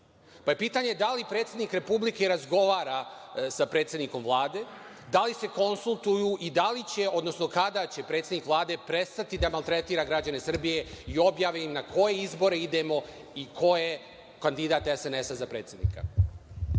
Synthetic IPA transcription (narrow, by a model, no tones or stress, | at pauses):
paje̞piːt̪aɲed̪alipɾe̞ːt̪sʲed̪nikɾe̞publike̞ɾazɡo̞ʋaːɾasapɾet̪sjed̪niko̞mvlˠaːd̪e̞ | d̪alise̞ko̞nsulˠt̪ujuʔid̪alit͡ɕe̞o̞d̪no̞snokad̪at͡ɕe̞pɾet̪sʲed̪nikʋlˠaːd̪e̞pɾe̞st̪at̪id̪amalˠt̪ɾet̪iːɾaɡɾad͡ʑane̞sr̩bije̞io̞bjaːʋeimnakʰo̞je̞izbo̞ɾe̞id̪e̞mo̞ | ikʰo̞je̞ | kand̪id̪aːt̪esene̞sazapɾe̞ːt̪sʲje̞d̪nḭka̰